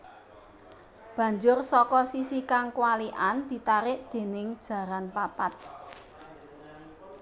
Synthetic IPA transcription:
b̥ä̤ɲd͡ʒʊrsɔkɔsisikaŋkwaliʔand̪̥i̤t̪aɾɪʔd̪̥e̤nɪŋd̥ʒ̥ä̤ɾanpapat̪̚

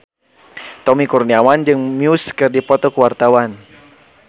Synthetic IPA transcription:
t̪ɔmikurniawand͡ʒɨŋmiuskɨrdipɔt̪ɔkəwart̪awan

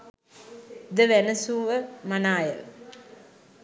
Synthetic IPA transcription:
d̪əʋænəsuːʋəmanaːjə̰l

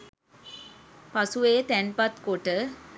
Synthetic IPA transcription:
pasuʋeːt̪ænpat̪koʈə

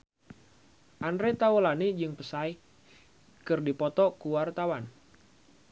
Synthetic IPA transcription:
ʔandɾet̪aulanid͡ʒɨŋpəsaj | kɨrdipɔt̪ɔkuwart̪awan

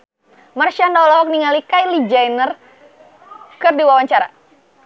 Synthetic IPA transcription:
marʃandalɔɔk̚niŋalikajlid͡ʒajnər | kɨrdiwawaɲt͡ʃaɾa̰

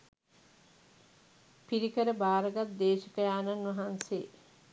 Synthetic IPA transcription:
piɾikəɾəbaːɾəɡat̪̚d̪eːʃəkəjaːnanʋɐɦanse

